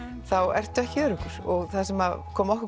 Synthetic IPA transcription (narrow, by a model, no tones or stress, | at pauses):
θawɛr̥t̪ʏɛhcɪœːɾʏhkʏɾ̥ɔɣθasɛmakʰɔːmɔhkʏ